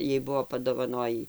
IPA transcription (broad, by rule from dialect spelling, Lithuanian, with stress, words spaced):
ˈjɛɪ ˈbʊʋoː pɐdoːʋɐˈnoːjiː